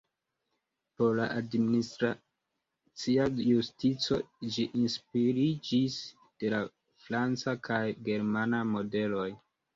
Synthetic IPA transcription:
po̞ɾla̰ʔadministɾa | t͡siajustit͡so̞d͡ʒiʔinspiɾid͡ʒis | d̥e̞la | fɾant͡sakʰajɡe̞ɾmanamo̞de̞lo̞j

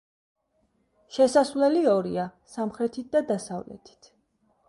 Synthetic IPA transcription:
ʃɛsasvlɛliɔɾiasamχɾɛt̪ʰit̪̚d̪ad̪asavlɛ̰t̪ʰi̥t̪ʰ

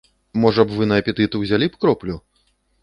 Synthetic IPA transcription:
mɔʐɐbvɨnɐɐpʲɛt̪ɨt̪ɨwzʲalʲipkɾɔplʲu

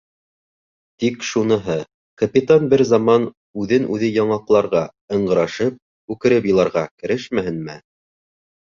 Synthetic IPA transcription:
t̪ikʃunɤ̆ɦɤ | kɐpʲit̪anbɘɾzɑmɑn | ʉðɘnʔʉðɘjɑɴɑqlˠɑɾʁɑ | ɤ̆ɴɢɤ̆ɾɑʃɤp̚ | ʉkɘ̆ɾɘpjɤ̆lˠɑɾʁɑkɘ̆ɾɘʃmæhɘ̆nmæ

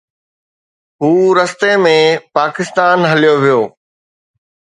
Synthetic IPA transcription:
ɦuːɾəst̪emẽpaːkɪst̪aːnɦɐlijoʋijoː

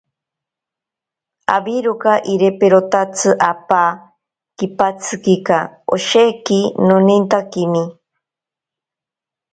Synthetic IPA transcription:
a̰biɾukaʔiɾepeɾot̪at͡sʰɨʔapa | kipat͡sʰɨkikao̰ʃekinonint̪akimi

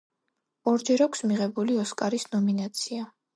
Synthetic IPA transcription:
ɔɾd͡ʒɛɾakʰʷsmiʁɛbuliɔskʼaɾisnɔminat̪sʰia

